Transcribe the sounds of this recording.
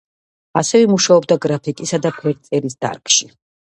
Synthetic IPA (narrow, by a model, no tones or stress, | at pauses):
asɛvɛmuʃaɔbd̪aɡɾapʰikʼisad̪apʰɛɾt̪sʼɛɾisd̪̥a̰ɾkʰʼʃi